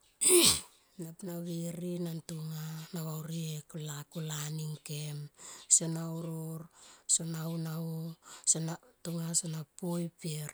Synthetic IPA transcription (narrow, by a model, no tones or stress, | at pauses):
napnaβiɾinantuŋanaβawɾiekulakulaniŋkemsenawɾoɾsonaunausenatuŋasonapojpeɾ